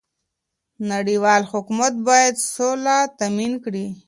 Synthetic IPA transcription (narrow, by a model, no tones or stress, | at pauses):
naɽiwɑlhʊkmat̪̚bɑjad̪solat̪aminkɽi